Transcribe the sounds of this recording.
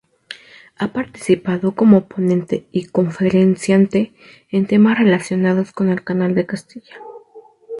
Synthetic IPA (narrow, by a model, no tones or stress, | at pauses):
apaɾt̪i̥sipaðo̞ko̞mo̞po̞nẽ̞nt̪e̞iko̞ɱfe̞ɾe̞nsjant̪e̞ː | nt̪e̞masre̞lasjo̞nað̞o̞sko̞ne̞lkanald̪e̞kast̪iʝḁ